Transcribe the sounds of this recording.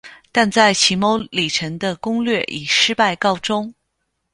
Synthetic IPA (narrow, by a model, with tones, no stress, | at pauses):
t̪a˥˧nt͡sa˥˩ɪt͡ɕʰi˧˥mo˧˥ʊli˨˩ʈ͡ʂʰə˧˥ŋd̪ə˧kʊ˥ŋlɥɛ˥˩ʔi˨˩ʂɻ̩˥pa˥˧ɪkɑ˥˩ʊʈ͡ʂʊ˥ŋ